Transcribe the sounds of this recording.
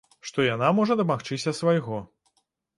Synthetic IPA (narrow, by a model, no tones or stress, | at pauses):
ʂt̪ɔjanamɔʐɐd̪ɐmaxt͡ʂɨsʲɐsvajɣɔ